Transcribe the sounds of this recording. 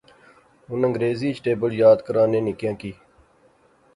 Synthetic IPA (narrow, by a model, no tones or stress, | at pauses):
ɦʊnə̃ŋɡɾeːziːt͡ʃʈeːbəljaːd̪kəɾãːnẽːnɪkjãːkiː